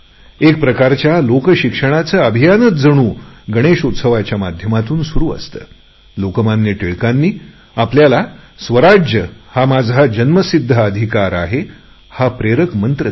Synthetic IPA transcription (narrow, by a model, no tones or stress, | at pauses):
ek̚pɾəkaɾt͡ɕjalokəɕikʂəɽ̃at͡səːəbʱijanət̪d͡zəɽ̃uːɡəɽ̃eʂut̪səʋat͡ɕjamad̪ʱjəmat̪uːnsuɾuːə̰st̪ə̰ː | lokəmanːjeʈeɭkanːiː | apljalasʋəɾad͡ʑjəhamad͡zʱad͡ʑənməsid̪ʱːəəd̪ʱikaɾa̰ɦe | hapɾeɾəkmənt̪ɾə